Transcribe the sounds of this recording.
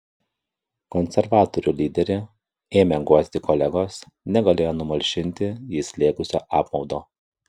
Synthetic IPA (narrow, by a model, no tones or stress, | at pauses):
kɔnʲsʲɛɾʋɑːt̪ɔɾʲuːlʲiːd̪ʲɛɾʲe | eːmʲɛɡuɔsʲt̪ʲɪkɔlʲɛɡoːs | nʲɛɡɐlʲeːjoːnʊmɐlʲʃʲɪnʲt̪ʲɪjiːsʲlʲeːkʊsʲo̰ːʔɑːpmɒʊd̪oː